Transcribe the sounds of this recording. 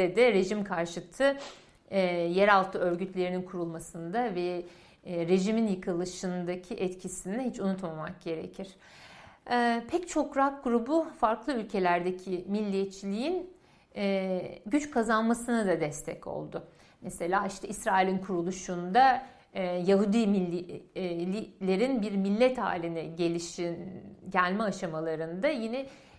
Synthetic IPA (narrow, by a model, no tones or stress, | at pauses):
ɛd̪ɛɾe̞ʒimkʰaɾʃɯt̪ʰɯ | jeɾalˠt̪ʰɯø̞ɾɟyt̪lʲe̞ɾininkʰuɾulˠmasɯnd̪avɛ | ɾe̞ʒiminjɯkʰɯlˠɯʃɯnd̪acʰiʔɛt̪cʰisind̪ɛɦit͡ʃʰunut̪mamak̚ɟ̥e̞ɾe̞̰cʰiɾ̥ | ɛpʰɛct͡ʃʰo̞kɾaak̚ɡuɾubufaɾklˠɯylʲcʰe̞lʲæɾd̪ecʰimilʲːiɛt͡ʃʰlʲiinː | ɟyt͡ʃkʰazanmasɯnad̪ad̪ɛst̪ʰɛ̰co̞̰lˠd̪ʊ | mese̞lʲaːiʃt̪ʰɛisɾaːilʲinkʰuɾulˠuʃund̪a | jaɦud̪imilʲ | ilʲe̞ɾinbiɾmilʲːɛt̪ha̰ːlʲinɛɟe̞lʲiʃinɟælʲmɛaʃamalˠaɾɯnd̪ajinɛ